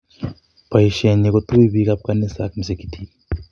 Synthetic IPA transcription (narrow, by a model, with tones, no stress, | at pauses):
pɐ˨iʃe˨ɲːeko˦t̪u˦i˦βi˦ka˦p̚ka˦nːi˦sa̰˦kmis̬ekit̪ʰi